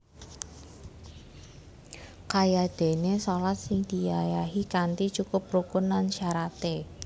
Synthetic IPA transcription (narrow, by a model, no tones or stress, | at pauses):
kajad̪̥e̤nesolat̪̚sɪŋd̪̥i̤jajaɦikant̪it͡ʃukʊp̚rukʊnlanʃaɾat̪e